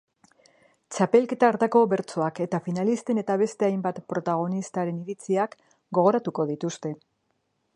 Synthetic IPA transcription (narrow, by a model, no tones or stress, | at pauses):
t͡ʃape̞lke̞t̪aːɾt̪ako̞βe̞ɾt͡so̞ake̞t̪afinalist̪e̞ne̞t̪aβe̞st̪e̞ajmbat̪pɾo̞t̪aɣ̞o̞nist̪aɾe̞niɾit͡siak | ɡo̞ɣ̞o̞ɾat̪uko̞ð̞it̪ust̪e̞